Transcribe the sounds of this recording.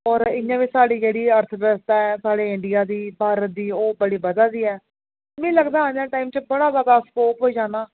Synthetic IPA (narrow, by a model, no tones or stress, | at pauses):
ɔːɾɪjãːʋiːsaːɽiːkɛːɽiːəɾt̪ʰbɛːst̪aːɛːsaːɽeːɪ̃ɳɖijaːd̪iːbʱaːɾət̪̚d̪iːoːbəɽiːbəd̪aːd̪iːɛː | mɛ̃ːləɡd̪aːajãːʈaːiːmt͡ʃəbəɽaːzəd̪aːskoːpɦoːiːd͡ʒaːnaː